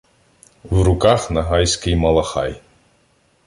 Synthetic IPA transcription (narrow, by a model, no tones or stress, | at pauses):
wɾʊkaxnɐɦɑjsʲkɪjmɐlˠɐxɑ̰j